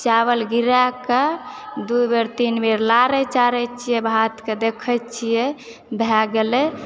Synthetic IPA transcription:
t͡ʃaβəlɡiɾaked̪ubeɾt̪inbeɾlaɾɛt͡ʃaɾɛt͡ʃʰijɛbʱat̪ked̪ekʰət͡ʃʰijɛ | bʱɛɡelɛ

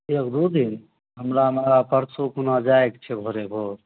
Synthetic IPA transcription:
ekd̪ud̪in | ɦəmɾamepəɾsukunad͡ʒaekt͡ʃʰɛbʱoɾebʱoɾ

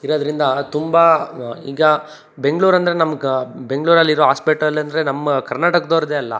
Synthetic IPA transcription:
iɾoːd̪ɐɾind̪ɐt̪umbɐiːɡɐ | be̞ŋɡɭuːɾɐnd̪ɐɾe̞nɐmːɐbe̞ŋɡɭuːɾɐlːiɾoːɦaːspiʈɾɐlːɐnd̪ɐɾe̞nɐmːɐkɐɾnaːʈɐkɐd̪oːɾɐd̪eːɐlːɐ̰

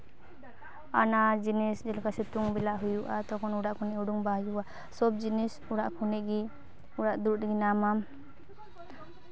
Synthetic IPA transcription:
anad͡ʒinɛsd͡ʒɛlkasɛt̪uŋbɛlaʔɦujuʔat̪ɔkɔnuɽaʔkʰunɛuɽuŋbaɦjuʔa | sɔb̚d͡ʒinɛsuɽaʔkʰunɛʔɡi | uɽaʔd̪uɾɡinamam

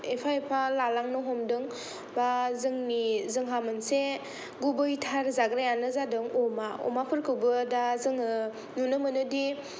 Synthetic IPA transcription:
epʰaepʰalalaŋnɯɦɔmdɯŋ | bazɯŋnizɯŋɦamɯnse | ɡubɯjtʰaɾzaɡɾajanɯzadɯŋɔmaɔ̰mapʰɯɾkʰɯwbɯdazɯŋɯ | nunɯmɯnɯdi

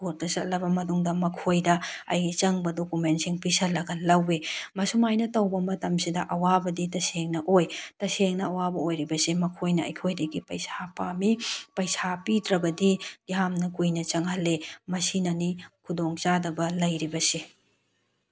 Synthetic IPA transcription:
oɾ̚tɐsɐt̚lɐbɐmɐnuŋdɐmɐkʰojdɐɐ̰jɡit͡ʃɐŋbɐdokumentsiŋpisɐlːɐɡɐlɐwemɐsumajnɐtɐwbɐmɐtɐmsidɐʔɐwabɐditɐseŋnɐʔojtɐseŋnɐɐwabɐojɾibɐsemɐkʰojnɐɐ̰jkʰojdɐɡipɐjsapamipɐjsapitɾɐbɐdidiɦamnɐkujnɐt͡ʃɐŋhɐlːemɐsinɐnikʰudoŋt͡ʃadɐbɐlɐjɾibɐse

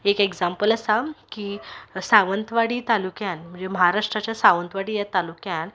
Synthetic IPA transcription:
ekeɡd͡zampələsakiːsaʋənt̪ʋaɽiːt̪alukjanm̤əɳd͡zeməɦaɾaʂʈɾat͡ɕjasaʋənt̪ʋaɽiːjat̪alukjan

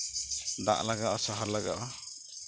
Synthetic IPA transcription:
d̪a̰ʔlaɡaʔasaɦaɾlaɡaʔa

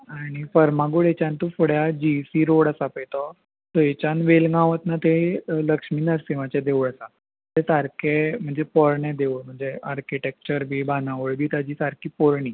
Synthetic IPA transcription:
aɽ̃ifəɾmaɡuɭet͡ɕãnt̪ufuɽjad͡ʑisiːɾoɽasapejt̪ɔ | t̪ɔet͡ɕanʋelɡãʋət̪nat̪eləkʂmiːnəɾsiʋat͡ɕad̪eʋuɭasa | t̪esaɾkʰem̤əɳd͡zepɔɾɳẽd̪eʋuɭm̤əɳd͡zeaɾkiʈek̚t͡ɕəɾbʱiːbanãʋəɭbʱiːt̪ad͡ʑiːsaɾkʰiːpɔɾɳiː

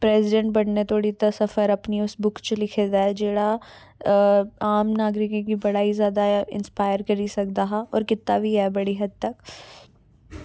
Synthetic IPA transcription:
pɾeːzɪɖɛ̃ɳʈ̚bɐɽnet̪ʰoːɽit̪ɐsɐfəɾɐpniʊsbʊkt͡ʃɐlɪkʰed̪aɦɛd͡ʒeːɽa | aːmnaːɡɾɪkẽkibɐɽaːizjaːd̪aɪ̰̃nspaːɪəɾkɐɾisɐk̚d̪aɦaɔːɾkɪt̪ːabʱiɛbɐɽiɦɐd̪̚t̪ɐk

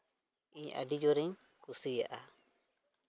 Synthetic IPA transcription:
iɲa̰ɖid͡ʒɔɾiɲ | kusija̰ʔa

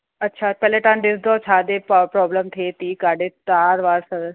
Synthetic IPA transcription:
ɐtːʃʰapɛːleʈãːnɖɪsd̪ɔːt͡ʃʰaːd̪epːpɾɔːbləmt̪ʰet̪ikaːɖetaːɾʋaːɾsəɾ

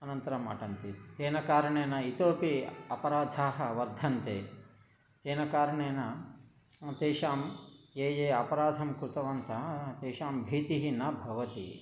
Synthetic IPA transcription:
ɐnɐnt̪ɐɾɐma̰ːʈɐnt̪it̪eːnɐkaːɾɐɳeːnɐit̪oːpiɐpɐɾaːd̪ʱaːɦɐʋɐɾd̪ʱɐnt̪ḛː | t̪eːnɐkaːɾɐɳeːnɐ | t̪eːʃaːmeːjeːɐpɐɾaːd̪ʱɐmkɾut̪ɐʋɐnt̪ʰɐt̪eːʃaːmbʱiːt̪iɦinɐbʱɐʋɐt̪ḭ

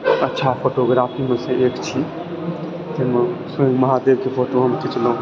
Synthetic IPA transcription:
ətːʃʰapʰoʈoɡɾapʰimẽsẽʔekt͡ʃʰi | t̪emə̃suẽŋɡməɦad̪ebkepʰoʈoɦəmk̪ʰit͡ʃləũ

